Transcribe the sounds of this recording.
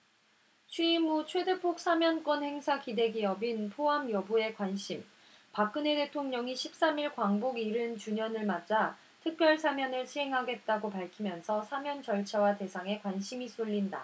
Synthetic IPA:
t͡ɕʰwiimut͡ɕʰwe̞de̞pʰok̚s͈ʰamjʌnk͈wʌnhe̞ŋsʰakide̞ɡiʌbinpʰoɦamjʌbue̞kwanɕʰim | pak͈̚ɯne̞te̞tʰoŋɲʌŋiɕʰip̚s͈amiɭkwaŋboɡiɾɯnt͡ɕuɲʌnɯɭmad͡ʑa | tʰɯk̚p͈jʌɭsʰamjʌnɯɭɕʰiɦe̞ŋɦaɡe̞t̚t͈aɡopaɭkʰimjʌnsʰʌsʰamjʌnt͡ɕʌɭt͡ɕʰawate̞sʰaŋe̞kwanɕʰimisʰuʎːinda

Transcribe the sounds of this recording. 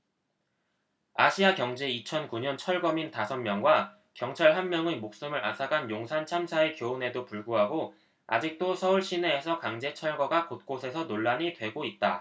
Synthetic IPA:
aɕʰiakjʌŋd͡ʑeit͡ɕʰʌnkuɲʌnt͡ɕʰʌɭɡʌmintasʰʌnmjʌŋɡwa | kjʌŋt͡ɕʰaɭɦanmjʌŋemok̚s͈ɯmɯɾʔa̰sʰaɡanjoŋsʰant͡ɕʰamsʰaekjoune̞dopuɭɡuɦaɡo | a̰d͡ʑik̚t͈osʰʌuɭɕ͈ʰine̞ːsʰʌkaŋd͡ʑe̞t͡ɕʰʌɭɡʌɡakot̚k͈osʰe̞sʰʌnoɭːaɲitwe̞ɡoit̚t͈a

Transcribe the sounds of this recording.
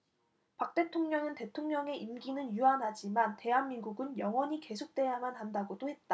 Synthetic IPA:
pak̚t͈e̞tʰoŋɲʌŋɯnte̞tʰoŋɲʌŋe̞ʔimɡinɯnjuanɦad͡ʑimante̞ɦanminɡuɡɯnjʌŋwʌɲike̞sʰok̚t͈we̞jamanɦandaɡodohe̞t̚t͈a

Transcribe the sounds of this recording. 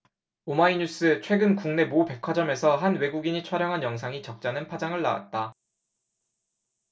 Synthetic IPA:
omaiɲus͈ɯt͡ɕʰwe̞ɡɯnkuŋne̞mope̞kʰwad͡ʑʌme̞sʰʌɦanwe̞ɡuɡiɲit͡ɕʰwaɾjʌŋɦanjʌŋsʰaŋit͡ɕʌk̚t͡ɕ͈anɯnpʰad͡ʑaŋɯɭːawa̰t̚t͈a

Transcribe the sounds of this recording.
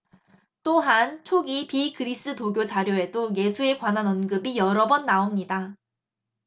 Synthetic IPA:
t͈oɦant͡ɕʰoɡipikɯɾis͈ɯtoɡjot͡ɕaɾjoe̞doje̞sʰue̞kwananʌnɡɯbijʌɾʌbʌnːaomɲida

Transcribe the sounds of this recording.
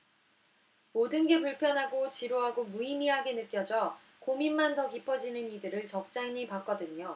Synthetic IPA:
modɯnɡe̞puɭpʰjʌnɦaɡot͡ɕiɾoɦaɡomuimiɦaɡe̞nɯk͈jʌd͡ʑʌ | kominmantʌkipʰʌd͡ʑinɯnidɯɾɯɭt͡ɕʌk̚t͡ɕ͈aɲipak͈ʌdɯɲo

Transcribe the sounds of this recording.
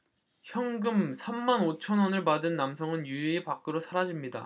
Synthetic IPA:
çjʌŋɡɯmsʰamːanot͡ɕʰʌnwʌnɯɭpadɯnːamsʰʌŋɯnjuiepak͈ɯɾosʰaɾad͡ʑimɲida̰

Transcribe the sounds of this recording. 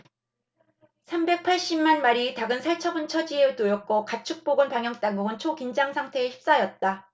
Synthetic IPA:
sʰambe̞k̚pʰaɭɕ͈immːanmaɾitaɡɯnsʰaɭt͡ɕʰʌbɯnt͡ɕʰʌd͡ʑieɯɭtojʌk̚k͈okat͡ɕʰuk̚p͈oɡɯnpaŋɦjʌŋt͈aŋɡuɡɯnt͡ɕʰokind͡ʑaŋsʰaŋtʰe̞ːɕʰi̥p̚s͈ajʌt̚t͈a

